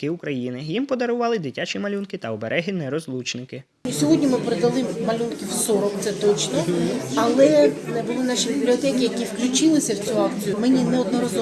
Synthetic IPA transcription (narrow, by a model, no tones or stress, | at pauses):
kɪukɾɐjinɪjimpɔd̪ɐɾʊʋɑlˠɪd̪ɪtʲat͡ʃimɐlʲunkɪt̪ɐɔbeɾʔɛɦɪnɛɾɔzlˠut͡ʃnɪkɪ | sʲɔɦɔdʲnʲimɪpeɾed̪ɐlˠɪːɐlʲunkʲiwsɔɾɔkt̪sɛt̪ɔt͡ʃnɔɐlˠɛɛbʊlˠɪnɑʃibʲiblʲiɔt̪ɛkʲijɐkʲiwklʲʊt͡ʃɪlˠɪsʲɐwt͡sʲuɑkt͡sʲijʊmɛnʲinɛɔd̪nɐɾɐzɔ